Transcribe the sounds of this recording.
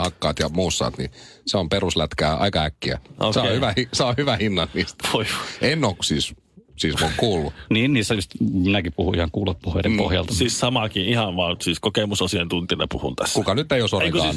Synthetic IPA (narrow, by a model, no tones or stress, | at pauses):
hɑkːɑ̰ːt̪jɑmuːsːɑ̰ːt̪nḭseomperuslæt̪kæːʔɑ̰ikɑhækːiæ̰ʔosehyʋæhiseohyʋæhinːɑnniːst̪ʋoiʋo̥ʔenːoːkkusiːs | siːsmokkuːlːuniːnniːsːæjyst̪minækippuhuihɑŋkuːlot̪̚puhedempo̰hjɑ̰lt̪ɑsiːssɑmɑkiihɑnʋɑːnsiːskokemusosient̪unt̪inḛpuhṵnt̪æsːkukɑnyt̪ːeiosoieŋkokɑsːn